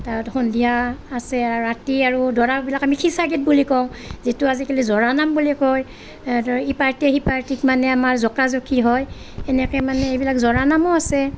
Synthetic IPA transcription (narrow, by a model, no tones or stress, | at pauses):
taɔtxɔndijaːsɛaɹatiaɹudɔɹabilakamixʰisaɡit̚bulikɔw̃zituazikelizɔɹanambulikɔj | ipaɹtiɛhipaɹtikmanɛamaɹzɔkazokʰiɦɔj | ɛnɛkɛmanɛebilakzɔɹanamɔasɛ